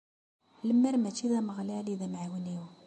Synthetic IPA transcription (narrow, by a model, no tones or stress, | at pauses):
ləmːəɾmæt͡ʃːiðæməɣlæliðæmʕawəniw